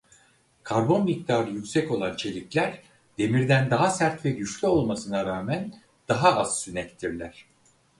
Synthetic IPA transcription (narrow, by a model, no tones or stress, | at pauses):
kʰaɾbo̞nmic̚t̪ʰaːɾɯjycʲsɛco̞lˠant͡ʃʰe̞lʲiclʲæɾ | d̪̥e̞miɾd̪ænd̪aɦasæɾt̪vɛɟyt͡ʃlʲyo̞lˠmasɯnaɾaːmæn | d̪̥aɦaaz̥synɛt̪ʲt̪ʰiɾlʲæɾ̥